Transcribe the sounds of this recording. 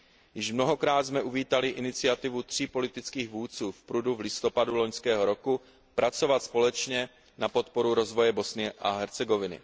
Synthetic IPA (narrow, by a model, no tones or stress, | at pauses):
jɪʃmno̞ɦo̞kɾaːt̪zmɛʔuviːt̪alɪʔɪnɪt͡sɪat̪ɪvut̪r̝̥ipo̞lɪt̪ɪt͡skiːɣvuːt͡suːfpɾuduvlɪst̪o̞padulo̞ɲskɛːɦo̞ɾo̞ku | pɾat͡so̞vat̪spo̞lɛt͡ʃɲɛ | napo̞t̪̚po̞ɾuɾo̞zvo̞jɛbo̞snɪɛʔaɦɛɾt͡sɛɡo̞vɪnɪ̰